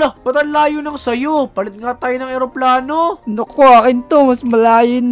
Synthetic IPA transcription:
lopɐt̪ɐnlaːjʊnɐŋsɐjopɐlɪt̪̚ŋat̪aːjonɐŋɛɾoplaːnonokoɐkɪnt̪omɐsmɐlaːjʊn

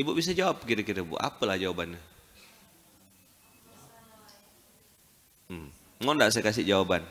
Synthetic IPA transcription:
ibuʔbis̬ad͡ʒawap̚kiɾəkiɾəbṵʔa̰pəlahd͡ʒawabanːa | m | ŋondaʔs̬ekas̬iʔd͡ʒawaban

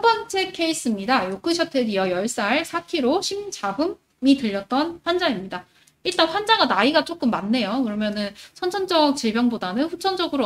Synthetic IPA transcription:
bʌnt͡ɕʰe̞kʰe̞is͈ɯmɲidajok͈ɯɕʰʌtʰediʌjʌɭs͈aɭsʰakʰiɾoɕʰimt͡ɕabɯm | itɯʎːʌt̚t͈ʌnɸwand͡ʑaimɲida | iɭt͈anɸwand͡ʑaɡanaiɡat͡ɕ͈ok͈ɯmːanːe̞jokɯɾʌmjʌnɯnsʰʌnt͡ɕʰʌnd͡ʑʌk̚t͡ɕiɭbjʌŋbodanɯnɸut͡ɕʰʌnd͡ʑʌɡɯɾo

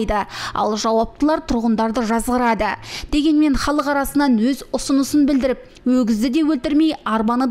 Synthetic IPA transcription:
jd̪əɑ̰lˠʒɑwɑp̚t̪əlˠɑɾt̪ʰʊɾʁənd̪ɑɾd̪əʒɑzʁəɾɑd̪əd̪̥e̞ɡʲe̞nme̞ɴχɑlˠəqɑɾɑsənɑnwɵzʊsʊnəsənbɪld̪ɪɾɪp̚ | wɵɡʲɪzd̪ɪd̪e̞wɵlt̪ɪɾme̞jɑɾbɑnə

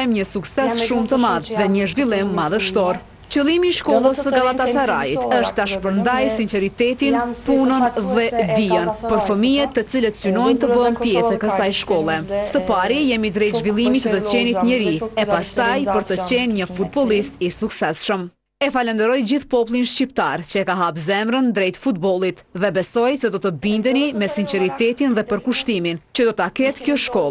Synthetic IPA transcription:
ɛmɲəsuksɛsʃumt̪əmaððɛɲəʒvilˠimːaðəʃt̪ɔɾ | t͡ɕəlˠimiːʃkɔlˠəsəɡalˠat̪at̪aɾait̪əʃt̪aʃpəɾnd̪ajsinsɛɾit̪ɛt̪inpunənðɛd̪iənpɔɾfəmijɛt̪ːət͡silət̪synɔjnt̪əbənpjɛsɛkəsajʃkɔlˠɛsəpaɾijɛmid̪ɾɛjt̪ʒvilˠimit̪ət̪ət͡ɕɛnit̪ɲəɾiɛpast̪ajpəɾt̪ət͡ɕɛnɲəfut̪̚bɔlˠist̪isuksɛsʃəm | ɛfalɛnd̪əɾɔjd͡ʑiθpɔpulˠinʃcipt̪a̰ɾt͡ɕəɛkaɦapzɛmɾənd̪ɾɛjt̪fut̪bɔlˠit̪ðɛbɛsɔjsɛd̪ɔt̪əbind̪ənimɛsinsɛɾit̪ɛt̪inðɛpəɾkuʃt̪imint͡ɕəd̪ɔt̪əakɛt̪kjɔʃkɔlˠ

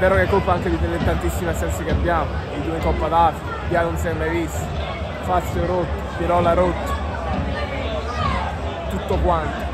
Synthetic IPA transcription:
bɛːɾokekːolpaaŋked̪it̪ɛnet̪ːant̪isːimasɛnsekeabːjaːmod̪id̪unekɔpːad̪afibjanonsɛmbɾeviso̥ | fat̪sːoɾot̪ːo̥piɾɔːlaɾot̪ːo̥ | t̪ut̪ːokwant̪o

